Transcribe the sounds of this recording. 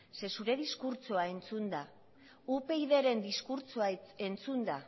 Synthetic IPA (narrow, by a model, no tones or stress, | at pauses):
se̞suɾe̞ðiskuɾt͡soae̞nt͡sund̪a | upe̞iðe̞ɾe̞nd̪iskuɾt͡soaent͡sund̪a